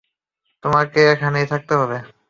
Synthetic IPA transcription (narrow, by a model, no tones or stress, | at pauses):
t̪omaɾkeekʰanejt̪ʰak̚t̪eɦɔβe